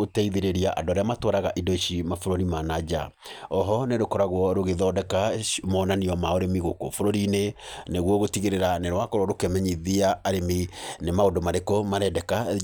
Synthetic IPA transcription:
otɛiðeɾeɾiaʔa̰dɔɾeamatɔɾaɣaʔidoiʃimafoɾoɾimanad͡ʒa̰ɔɦɔneɾokɔɾaɣwɔɾoɣeðɔːdɛkamɔnaniɔmaoɾemiɣoko̰foɾoɾineneɣwɔɣotiɣeɾeɾaneɾwakɔɾwɔɾokɛmɛɲiðiaːɾeminemaodomaɾekɔmaɾɛdɛka

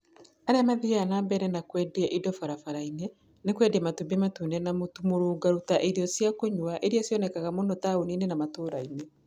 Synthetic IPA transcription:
aɾɛmaðiaanaːmbɛɾɛnakwɛdeɛʔidɔfaɾafaɾaine | nekwɛdeamatubiematunɛnamotumoɾoːɡaɾutaʔeɾiɔsjakoɲwaʔeɾiasjɔnɛkaɣamonɔtaoninenamatoːɾaine

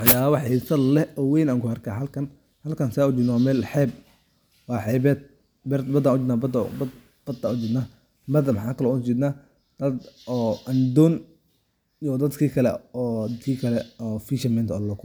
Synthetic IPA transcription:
wħɑjaːwɐwɐħɛsɐd̪lɛʔɔːwɛjnãːŋkʰʊɐrkʰaːhɐlkʰɐn | hɐlkʰɐnsɛʊt͡ʃɪd̪nwaːmɛːlħɛːb̚ | wɑːħɛːbɛːt̪̚ | bɛɾt̪bɐd̪aːnʊt͡ʃɪd̪naːbɐd̪̰bɐd̪ | b̥ɐd̪anʊt͡ʃɪd̪naː | bɐd̪ɐmɑħaːkʰɐlɔːʊt͡ʃɪd̪naː | d̪̥ɐd̪ɔːʔɐnd̪ɔn | jɔd̪ɐd̪kʰiːkʰɐlɛ̰ɔːd̪ɐkʰiːkʰɐlɛɔːfiʃɐmɛːnt̪ʰɔ̰ːllɐkʰʊ

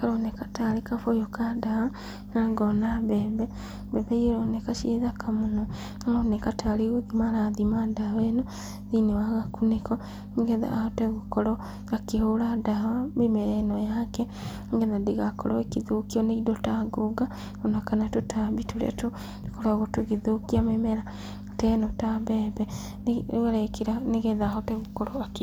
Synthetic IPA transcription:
kaɾonekataɾekafojokadaha | naɡɔnaβɛːβɛ | bɛβɛieɾonekaʃieðakʰamonɔ | aɾonekataleɣoðimaɾaðimadawɛnɔ | ðinewaɣakunekɔ | ŋɡɛða̰ʔaatɛɣokɔɾɔ | akehoɾadaɦamemɛɾɛnɔjakɛ | ŋɡɛðadeɣakɔɾɔekeðokiɔneidɔtaɡoɡa | ɔnakanatotʰaβitoɾa̰to | dekoɾaɣɔtoɣeðokiamemɛɾa | tɛnɔtabɛbɛ | ɾɛkeɾaneɣɛðaːɦɔtɛɣokɔɾɔake

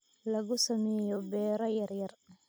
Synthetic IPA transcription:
lɐɣʊsɐmɛːjɔbɛːɾɔjɐrjɐr

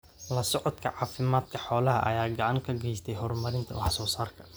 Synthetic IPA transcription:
lɐsɔʕɔd̪kʰɐʕɑːfɪmaːd̪kʰɐħɔːlɐɦɐ̰ʔɐ̰jaːɡɑʕɑŋkʰɐɡɛjst̪ʰɛjɦɔrmɐɾɪnt̪ʰɐ̰wɑħsɔːsaːrkʰɐ̥

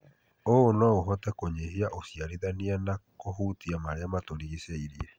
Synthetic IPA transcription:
oonwaoɦɔtɛkoɲeɦiaʔosjaɾiðanianakoɦuːtiamaɾeamatoɾiɣesaiɾiɛ

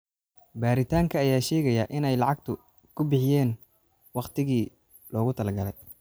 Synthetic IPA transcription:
baːɾɪt̪ʰaːŋkʰɐːjaːʃɛːɣɐjɐʔɪnɛjlɑʕɑɡ̚t̪ʰʊ | kʰʊbɪħɪjɛːn | wɑqt̪ʰɪɣiː | lɔːɣʊt̪ʰɐlɐɡɐlɛj

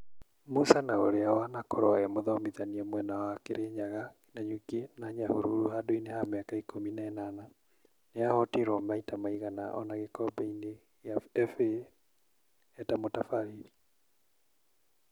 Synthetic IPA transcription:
musanaoɾeawanakɔɾɔɛmoðɔmiðaniɛmwɛnawakeɾʔeɲaɣaki̥naɲukenaɲahoɾuɾuhadoinehameakaikominaɛnana | neahɔtiɾɔmaitamaiɣana̰ʔɔ̰naɣekɔbɛine | jafe | ɛtamotafaɾiɾi

